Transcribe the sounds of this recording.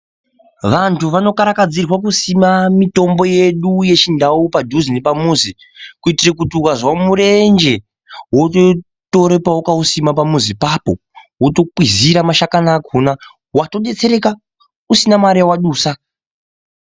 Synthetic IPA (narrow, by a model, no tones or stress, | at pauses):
ʋantuʋano̞kaɾakad͡zirwak̬usimamito̞mbo̞je̞ɗuje̞t͡ʃindaupadʱuzinepamuːzi | kuitirek̬utiukazwamuɾe̞nd͡ʒe̞ | woto | to̞ɾepawukausimapamuzipapo̞ | woto̞k͡piziɾamaʃakanaːkʰuna | wato̞ɗe̞t͡se̞ɾe̞ka | usinamaɾijawaɗuːsa